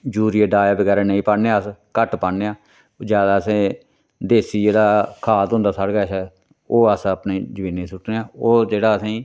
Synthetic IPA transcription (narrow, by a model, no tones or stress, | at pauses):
d͡ʒuːɾijeːɖaːjaːbəɡɛːɾaːnəĩːpaːɽneaːəskəʈpaːneːãː | d͡ʒjaːd̪aːəsẽː | d̪eːsiːd͡ʒeːɽaːkʰaːt̪ɦʊ̃nd̪aːsaɽɡaːʃɛː | oːəsəpneːd͡ʒəbĩːneːsʊʈneːaːoːd͡ʒeːɽaːəsẽiː